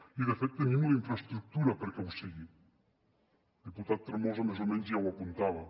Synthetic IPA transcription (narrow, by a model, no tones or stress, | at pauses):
iðefɛt̪ːemimlaiɱfɾast̪ɾuk̚t̪uɾapəɾkɛusiɣi | d̪iput̪at̪ːɾamɔzamezomɛnzjawapunt̪aβɐ